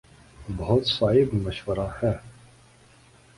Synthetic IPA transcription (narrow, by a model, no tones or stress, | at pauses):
bɔɦʊt̪saːɦɪbmɐʃwəɾahɛː